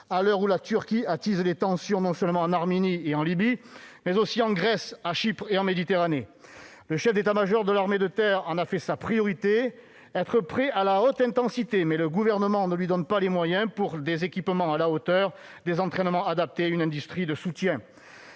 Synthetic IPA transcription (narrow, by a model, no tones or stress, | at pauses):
alœʁulat̪yʁkʲiat̪izlet̪ɑ̃sjɔ̃nɔ̃sœlmɑ̃ɑ̃naʁmenieɑ̃libimɛzosiɑ̃ɡʁɛsaʃipχeɑ̃med̪it̪eʁane | ləʃɛfd̪et̪amaʒɔʁd̪əlaʁmed̪ət̪ɛʁɑ̃nafɛsapχijɔʁit̪e | ɛt̪χəpχɛʔalaot̪ɛ̃t̪ɑ̃sit̪emɛləɡuvɛʁnəmɑ̃nəlɥid̪ɔnpalemwajɛ̃puʁd̪ezekʲipmɑ̃alaot̪œʁ | d̪ezɑ̃t̪χɛnmɑ̃ad̪ap̚t̪eaynɛ̃d̪yst̪χid̪əsut̪jɛ̃